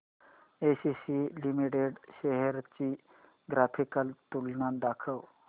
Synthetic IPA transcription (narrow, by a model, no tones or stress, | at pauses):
esisilimiʈeɖɕeɦeɾt͡ɕi | ɡɾapʰikəlt̪ulnad̪akʰəw